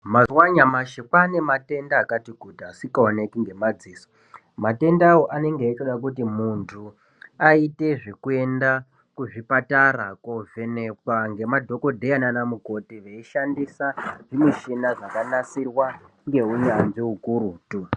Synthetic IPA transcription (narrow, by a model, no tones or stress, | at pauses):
mazwaɲamaʃekane̞mate̞ndaːkatiɡʱudʱasikaonekiŋɡe̞mad͡ziːso | mate̞ndawoʔane̞ŋɡeːt͡ʃoɗakut̬imuntʰu | aite̞ʐikue̞nda | kuʐipatarakovʱe̞nekwaŋɡe̞madʱo̞ko̞dʱe̞ananamuko̞tiʋeiʃandisaʐimiʃinaʐakanasirwa | ŋɡe̞uɲanʐiukuɾuːtu